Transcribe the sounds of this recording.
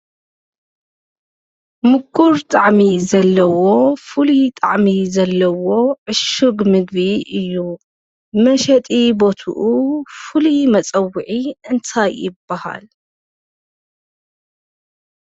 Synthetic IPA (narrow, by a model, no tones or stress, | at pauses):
mɨkʰːuɾt̪ʼaʕmizɐlːɐwo̞fɨlit̪ʼaʕmizɐlːɐwo̞ʕɨʃɨɡmɨɡβiɨjːu | mɐʃɐt̪ʼibo̞t̪ʰṵʔufɨlimɐt͡sʼɐwːɨʕiɨnt̪ʰajɪbːaha̰l